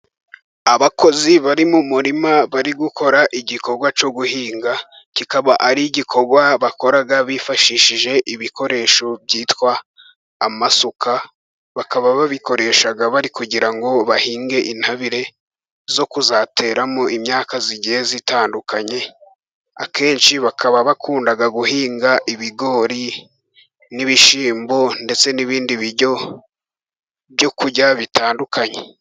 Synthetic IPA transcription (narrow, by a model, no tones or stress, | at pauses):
aβako̞ziβaɾimumuɾimaβaɾiɡukʰo̞ɾaʔiɟiko̞ɾɡwat͡ʃo̞ɡuhiːŋɡa | kikaβaʔaɾiɟikʰo̞ɾɡwaβako̞ɾaɡaβifaʃiʃiʒe̞ʔiβikʰo̞ɾe̞ːʃo̞bjiːtkwaː | masokʰa | βakaβaβaβiko̞ɾe̞ʃaɡaβaɾikuɟiɾaŋɡo̞βahiːŋɡe̞ʔinhaβiɾe̞ | zo̞kuzatʰe̞ːɾamoimɲaːkaziɟihezitaːndukaɲe̞ | a̰ke̞ːnʃiβakʰaβaβakuːndaɡaɡuhiːŋɡaʔiβiɡo̞ːɾi | niβiʃiːmbo̞nde̞t͡se̞niβiːndiβiɾɟo̞ | bjo̞kuɟaβitʰaːndukʰaɲe